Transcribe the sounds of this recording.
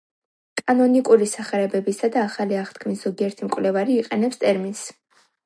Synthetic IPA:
kʼanɔnikʼuɾisaχɛɾɛbɛbisad̪aːχaliaχt̪kʰmisz̥ɔɡiɛɾt̪ʰimkʼwlɛvaɾiːqʼɛnɛpst̪ʼɛɾmins

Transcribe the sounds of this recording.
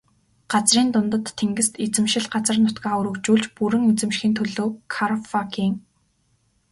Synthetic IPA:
ɢ̥at͡sriːnt̪ʊnt̪ə̆t̪ʰːeŋɡɘ̆st̪et͡sɘ̆mʃɪ̆ɮɢat͡sə̆rnʊt̪kăːɵɾɵ̆kt͡ɕuːɮt͡ɕpuɾɘ̆ŋet͡sɘ̆mʃxiːnt̪ʰɵɮoːkʰaɾfakiːŋ

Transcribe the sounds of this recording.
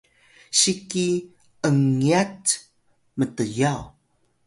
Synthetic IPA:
ɕiki | əŋiat | mətəjaw

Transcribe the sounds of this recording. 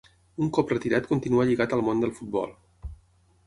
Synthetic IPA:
uŋkɔprət̪iɾat̪kunt̪inuəʎiɣat̪əlˠmond̪əlˠfut̪̚bɔ̰lˠ

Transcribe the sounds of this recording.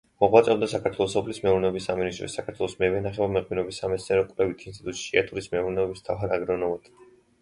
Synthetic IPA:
mɔʁwat̪sʼɔbd̪asakʰaɾt̪ʰwɛlˠɔsɔpʰlismɛuɾnɛɔbisːaminist̪ʼɾɔ̰sːakʰaɾt̪ʰwɛlˠɔsmɛvɛnaχɛbamɛqʼwinɔbisːamɛt̪sniaɾɔkʼwlɛvit̪ʰinst̪ʼit̪ut̪ʼʃia̰t̪ʼuɾismɛuɾnɛɔbist̪ʰa̰vɦaɾaɡɾɔnɔvad̪̥

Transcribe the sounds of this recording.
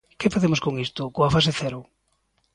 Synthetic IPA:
kefaðemoskoŋist̪ʊkoafaseθɛɾʊ

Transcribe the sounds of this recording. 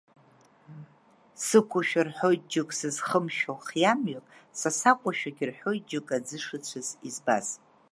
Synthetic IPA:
sɨkʷʰʊʃᶣarħojt̚ʼd͡ʒɪkʼsɨzχəmʃoχjamɥakʼsasakʷʼaʃᶣaɡʲɪrħojt̚d͡ʒɪkʼad͡zɨʂɨt͡ɕʷʰɨzizba̰z

